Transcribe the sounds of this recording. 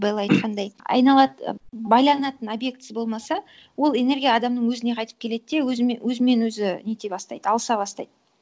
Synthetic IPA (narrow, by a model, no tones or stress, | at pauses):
bɑjlˠɑjt̪qʰɑnd̪ɑjɑ̰jnɑlˠɑt̪bɑjlˠɑnɑt̪ənobje̞k̚t̪sbo̞lˠmɑsɑ | wo̞lˠe̞ne̞rɡʲijɑːd̪ɑmnəɴwɵzɪne̞qʰɑjt̪əpkʲʰe̞le̞d̪d̪ewɵzwɵzɪme̞nwɵzɪnet̪ebɑst̪ɑ̰jd̪əɑlˠəsɑbɑst̪ɑ̰jd̪ə